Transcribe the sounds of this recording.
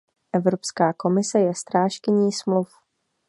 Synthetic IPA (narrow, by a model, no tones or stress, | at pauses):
ʔɛvɾopskaːko̞mɪsɛjɛst̪ɾaːʃkɪɲiːsmluf